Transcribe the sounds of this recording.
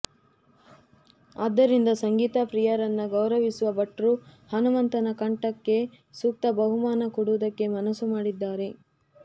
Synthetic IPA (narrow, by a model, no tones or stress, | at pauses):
a̰ːd̪ːɐɾind̪ɐsɐŋɡiːt̪ɐpɾijɐɾɐnːɐɡɐwɾɐʋisuʋɐbɐʈɾuhɐnumɐnt̪ɐnɐkɐɳʈɐkːe̞ | suk̚t̪ɐbɐɦumaːnɐkuɽuʋd̪ɐkːe̞mɐnɐsːumaːɽid̪ːaːɾe̞